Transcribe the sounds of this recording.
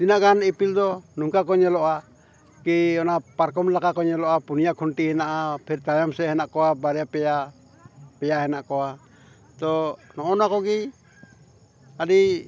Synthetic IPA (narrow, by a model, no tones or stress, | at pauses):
t̪inaʔkanipild̪ɔnuŋkakɔɲɛlɔʔa | kiɔnapaɾkɔmlakakɔɲɛlɔʔapunijakʰɔnʈiɦɛnaʔapʰɛɾt̪ajamsɛɦɛnaʔkɔwabaɾɛapɛja | pɛjaɦɛnaʔkɔa | t̪ɔnɔɔnakɔɡi | adi